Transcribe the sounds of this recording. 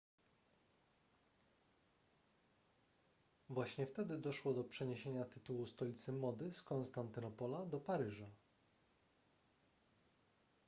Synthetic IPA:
vwaɕɲɛft̪ɛd̪ɘd̪ɔʂwɔd̪ɔpʂɛɲeɕeɲat̪ɘt̪uwust̪ɔlʲit̪sɘmɔd̪ɘskɔnst̪ant̪ɘnɔpɔlad̪ɔpaɾɘʐa

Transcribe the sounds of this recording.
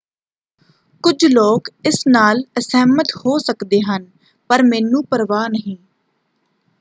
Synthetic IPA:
kʊd͡ʒloːkɪsnaːləsɛːmət̪hoːsəkd̪eːɦən | pəɾmɛːnũːpəɾʋaːnəɦĩː

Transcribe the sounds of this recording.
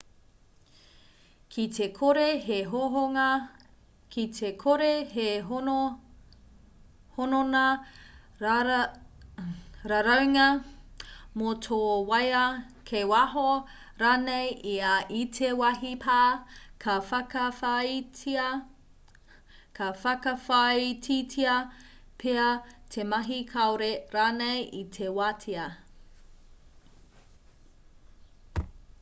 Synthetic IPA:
kʰitʰekʰoɾeɦeɦoɦoɐ | kitʰekʰoɾeɦe | hononɐ | ɾaɾɐwŋɐ | motʰoːwɐjɐ | kʰewɐɦo | ɾaːnejʔiɐʔitʰewɐɦipʰaːkʰɐfɐkɐfaitiɐ | kʰɐfɐkɐfaitʰitʰiɐ | pʰeɐtʰemɐɦikʰɐoɾeɾaːnejʔitʰewatʰiɐ

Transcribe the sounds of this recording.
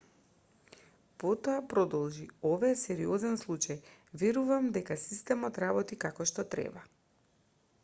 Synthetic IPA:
pɔt̪ɔapɾɔd̪ɔlˠʒiɔvajsɛɾiɔzɛnslˠut͡ʃajvɛɾuvamd̪ɛkasist̪ɛmɔt̪ɾabɔt̪ikakɔʃt̪ɔt̪ɾɛ̰ba

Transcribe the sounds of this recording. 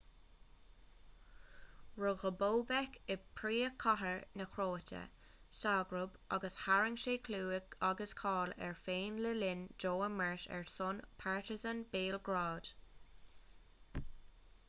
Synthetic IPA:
ɹʊɣəboːbɛkɪpʰɹiːəkʰaɦəɹnəkʰɹoːtʰə̰ | saːɡɹʊbʔɑɡəshaɹɪŋʃeːkʰluːɪɡaɡəskʰɑːlɛ̰ɹfeːnlɪlɪnd͡ʒoːəmɛɹʃɛ̰ɹsʊnpʰaɹtɪzənbeːlɡɹɑːd̥

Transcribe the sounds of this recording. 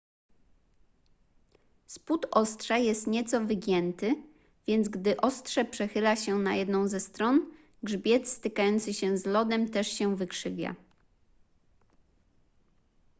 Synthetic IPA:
sput̪ɔst̪ʂajɛst̪ɲɛt̪sɔvɘɡʲjɛnt̪ɘ | vʲjɛnd̪zɡd̪ɘʔɔst̪ʂɛpʂɛxɘlaɕɛnajɛd̪nɔ̃w̃zɛst̪ɾɔn | ɡʐbʲjɛt̪st̪ɘkajɔnt̪sɘɕɛzlɔd̪ɛmt̪ɛʂɕɛvɘkʂɘvʲja̰

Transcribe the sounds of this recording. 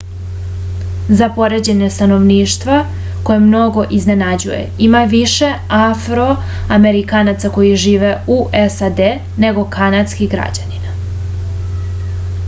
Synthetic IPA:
zapo̞ɾe̞d͡ʑe̞ɲest̪ano̞ʋniːʃt̪ʋa | ko̞jemno̞ɡo̞ʔizne̞nad͡ʑṵje̞̰imaʋiʃe̞afɾo̞ | ame̞ɾikanat̪sako̞jiʒiːʋe̞uʔesad̪e | ne̞ɡo̞kanat̪skiɣɡɾa̰d͡ʑanina

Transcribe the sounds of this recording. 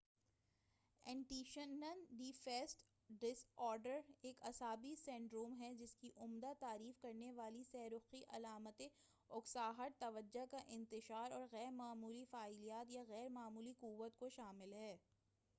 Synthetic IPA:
ɛ̃ːɳʈiːʃənənɖiːfɛːsʈ | ɖɪsɔːɾɖəɾeːkɐsɦaːbisɛ̃ɳɖɾoːmɦɛd͡ʒɪskiʔʊmd̪at̪aːɾiːfkɐɾneʋaːlisɛːɾʊqiʔɐ̰laːmət̪e | ʊksaːɦəɾt̪ɐʋəd͡ʒːakaʔɪ̃nt̪ɪʃaːɾɔːɾɣɛːɾmaːmuːlifaːɪlijaːt̪jaɣɛːɾmaːmuːliquʋːət̪koʃaːmɪlɦɛː

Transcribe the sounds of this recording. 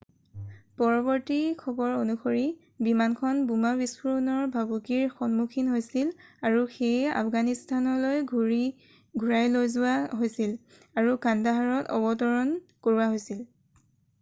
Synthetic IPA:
pɔɹɔβɔɹtikʰɔbɔɹonuxʰoɹi | bimankʰɔnbumabispuɹunɔɹbʱabukiɹxɔnmukʰinɦojsilaɹuxeja̰pʰɡanistʰanɔlojʱ | ɡʱuɹajlojzʊaɦojsil | aɹukandaɦaɹɔtɔ̰bɔtɔɹɔnkoɹuwaɦojsil

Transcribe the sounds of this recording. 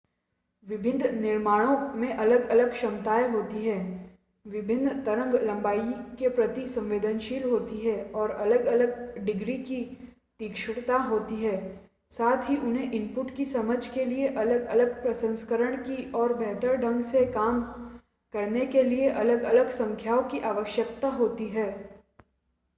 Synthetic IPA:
ʋɪbʱɪnd̪nɪɾmaːɽ̃õmẽʔɐləɡɐləɡʃɐmt̪aːeɦoːt̪iɦɛː | ʋɪbʱɪnd̪t̪ɐɾə̃ŋɡlɐ̃mbaːikepɾɐt̪isɐ̃mʋeːd̪ənʃiːlɦoːt̪iɦɛɔːɾɐləɡɐləɡɖɪɡɾiki | t̪iːkʃɽt̪aɦoːt̪iɦɛː | saːt̪ʰɦiʔʊnɦẽʔɪ̃mpʊʈkisɐməd͡ʒʱkelieʔɐləɡɐ̰ləɡpɾɐsə̃nskəɾəɽ̃kiɔːɾbʱɛɦt̪əɾɖʱə̃ŋɡsekaːm | kɐɾnekelieʔɐləɡɐləɡsɐ̃ŋkʰjaːokiʔaːʋəʃjək̚t̪aɦoːt̪iɦɛː

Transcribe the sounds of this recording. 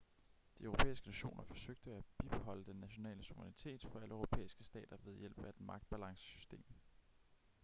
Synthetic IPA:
d̥iœʊʁo̝pʰḛːisɡ̥ənæɕo̝̰ːnɐfɒ̽søɡ̥̚d̥əæb̥ib̥eɦɒ̽l̰əd̥enːæɕo̝nɛ̰ːləsuʋʁnit͡sʰe̝̰ːd̥fɒ̽æləøʊʁo̝pʰḛːisɡ̥əsd̥ɛ̰ːd̥ɐʋeð̞ˠjel̰b̥æɐd̥mɑ̈ɡ̥̚d̥̚b̥ælɑ̈ŋsə̥sy̥sd̥e̝̰ːm

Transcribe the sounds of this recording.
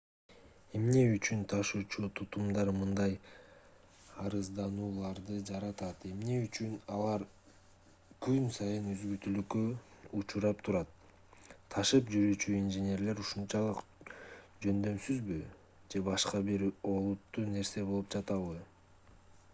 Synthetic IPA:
e̞mne̞yt͡ʃynt̪ʰɑʃuːt͡ʃut̪ʰut̪umd̪ɑɾmɯnd̪ɑj | ɑɾɯzd̪ɑnuːlˠɑɾd̪ɯd͡ʒɑɾɑt̪ɑt̪e̞mne̞yt͡ʃynɑlˠɑɾ | kynsɑjɯnøzɡylt̪ylykøut͡ʃuɾɑpt̪ʰuɾɑt̪ʰː | ɑʃɯpd͡ʒyɾyːt͡ʃyinʒenʲe̞ɾle̞ɾuʃunt͡ʃɑlˠɯq | d͡ʒø̞nd̪ø̞msyzby | d͡ʒe̞bɑʃqɑbiɾo̞lˠut̪ːuːne̞ɾse̞bolˠup̚d͡ʒɑt̪ɑβɯ

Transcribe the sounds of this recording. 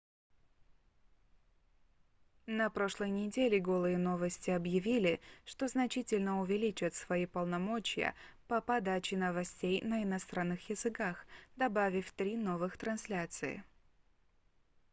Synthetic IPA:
nɐpɾo̞ʂlˠəjnʲɪdʲelʲɪɡo̞lˠɨjəno̞vəsʲtʲɪɐbjɪvʲilʲɪʂt̪o̞znɐt͡ɕitʲɪlʲnəʊvʲɪlʲit͡ɕət̪svɐipəlˠnɐmo̞t͡ɕɪjə̰pɐpɐd̪at͡ɕɪnəvɐsʲtʲejnəɪnɐst̪ɾanːɨxjɪzɨkaxd̪ɐbavʲɪfʲt̪ɾʲino̞vɨxt̪ɾɐnsʲlʲat̪sɨɪ̰

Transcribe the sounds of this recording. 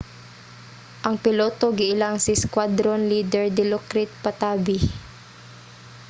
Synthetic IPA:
ʔɐŋpɪloːt̪oɡɪʔɪlaŋsɪskwad̪ɾonliːd̪ɛɹd̪ɪlokɾɪt̪̚pɐt̪aːbɪ

